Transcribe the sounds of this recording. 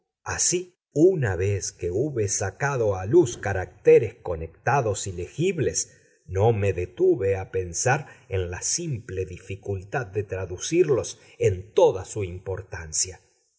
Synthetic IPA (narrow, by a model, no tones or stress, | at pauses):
a̰si | unaβeskeuβesakaðo̞aluskaɾak̚t̪eɾesko̞nek̚t̪aðo̞silexiβles | nomeðet̪uβeape̞nsaɾenlasimpleðifikult̪ad̪̚d̪et̪ɾaðusiɾlo̞s | ent̪oðasuimpo̞ɾt̪ansja